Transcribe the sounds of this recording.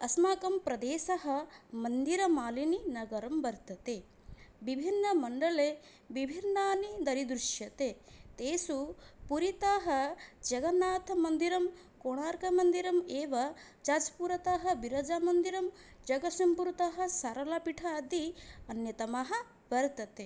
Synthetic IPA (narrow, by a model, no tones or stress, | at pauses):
ɐsmaːkɐmpɾɐd̪eːsɐɦɐ̆mɐnd̪iɾɐmaːlininɐɡɐɾɐmbɐɾt̪ɐt̪eː | ʋibʱinːɐmɐɳɖɐɭeː | ʋibʱinːaːnid̪ɐɾid̪ɾuʃjɐt̪et̪eːsupuɾit̪aːɦɐd͡ʒɐɡɐnaːt̪ʰɐmɐnd̪iɾɐm | koːɳaːɾkɐmɐnd̪iɾɐmeːʋɐ | d͡ʒaːd͡ʒpuɾɐt̪aːɦɐbiɾɐd͡ʒaːmɐnd̪iɾɐm | d͡ʒɐɡɐsɐmpuɾut̪ɐɦɐ̆sɐɾɐlɐpiʈʰɐːd̪iɐnjɐt̪ɐmaːɦɐ̆ | bɐɾt̪ɐt̪e